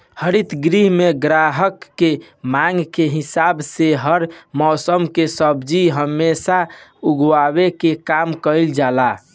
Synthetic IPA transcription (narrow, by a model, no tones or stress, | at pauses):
həɾit̪ɡɾiɦmeɡɾaɦəkːe | maŋɡkeɦisabseɦəɾmɔsəmkesəbd͡ʒiɦəmːesauɡwabekekamkəɪld͡ʒala